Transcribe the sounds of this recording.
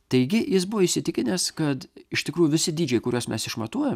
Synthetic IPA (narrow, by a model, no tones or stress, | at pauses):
t̪ɐɪɡʲɪjɪsbʊʋoɪʃʲsʲɪt̪ʲɪkʲɪnʲeskɐt̪ɪʃt̪ʲɪkɾuːjʊʋʲɪsʲɪd̪ʲiːd͡ʒʲɛɪkʊɾʲuɔsmʲɛsɪʃmɐt̪uɔjɛm